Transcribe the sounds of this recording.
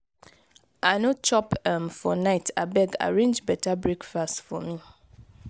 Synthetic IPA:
anõt͡ʃɔpɛmfɔnaɪtʰa̰bɛɡa̰ɹẽnd͡ʒbɛtʰabɹekfastfɔ̰mĩ

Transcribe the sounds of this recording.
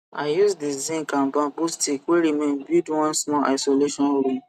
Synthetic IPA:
ajusdizĩnkãmbãbustikweɾimẽnbidwɔ̃nsmɔʔa̰ɪsoleʃɔ̃nɾũ

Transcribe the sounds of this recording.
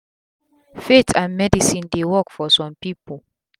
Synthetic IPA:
fetʰãnmɛdisĩndewɔkfɔsɔ̃mpipol

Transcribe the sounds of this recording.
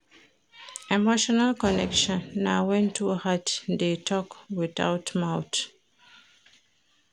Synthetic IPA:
ɛmoʃɔnalkɔnɛ̰kʃɔ̃nːawɛ̃ntʰuhatdetʰɔkwiða̰ʊtmawt

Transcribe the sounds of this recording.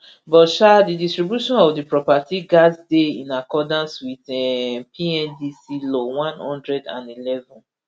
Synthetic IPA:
bɔʃadidistɹibjuʃɔ̃nɔvdipɹɔpatiɡazdeĩnakɔdãnswiθɛpʰiɛ̃ndisilowãnhɔ̰̃ndɹɛdã̰nilɛvɔ̃n

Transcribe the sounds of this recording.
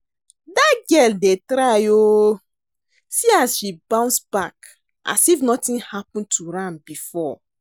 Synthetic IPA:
daɡɛldetɾajo | siasʃibãʊ̃nsbak | ʔa̰sifnɔtĩnhapɔ̃ntʰuɾãnbifɔ

